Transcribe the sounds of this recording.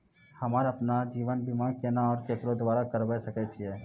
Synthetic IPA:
hɐmaːɾɐpnad͡ʒiːʋənbimakenaɔːɾkekɾod̪ʋaːɾakəɾbɛsəkɛt͡ʃʰiɛː

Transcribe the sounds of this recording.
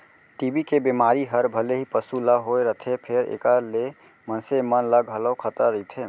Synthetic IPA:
ʈibikebemaɾiɦəɾbʱəleɦipəsuləɦojɾəɦt̪ʰepʰeɾḛkəle | mənsemənləɡɦələɦokʰət̪əɾəjt̪ʰe

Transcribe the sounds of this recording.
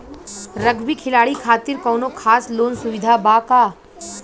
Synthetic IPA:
ɾɐɡbikʰɪlaːɽikʰaːt̪ɪɾkɔːnokʰaːsloːnsʊʋɪd̪ʱabaːkaː

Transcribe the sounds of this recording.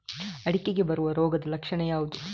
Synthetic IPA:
ɐɽikːeɡe̞bɐɾuʋɐɾoːɡɐd̪ɐlɐkʂɐɳɐjaːʋud̪u

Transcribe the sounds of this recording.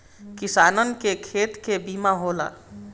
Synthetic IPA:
kisanənkekʰet̪kebimaɦola̰

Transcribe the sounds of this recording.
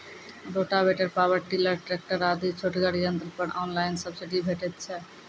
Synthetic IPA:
ɾoʈabeʈeɾpabaɾʈilaɾʈɾek̚ʈaɾad̪it͡ɕʰoʈɡaɽid͡ʑant̪eɾpɔɾɔnlajnsabsiɖibʱeʈet͡ɕʰe

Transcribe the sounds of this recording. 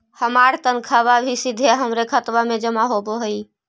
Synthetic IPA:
həmaɾt̪ənkʰaβabʱisid̪ʱeɦəmɾekʰət̪ʋamed͡ʒəmaɦoboɦəi

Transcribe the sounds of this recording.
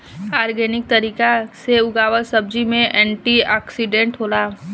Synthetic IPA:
aːɾɡɛːnɪk̚t̪ɐɾiːkaseʊɡaːwəɾsɐb̚d͡ʒimẽʔɛ̃ːɳʈiaːksiɖẽɳʈɦoːlaː

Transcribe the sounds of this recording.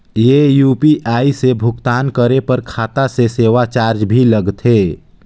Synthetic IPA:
jejuːpiʔaːisebʱʊkt̪aːnkəɾepəɾkʰaːt̪aseseːʋat͡ʃaːɾd͡ʒbʱiləɡt̪ɦeː

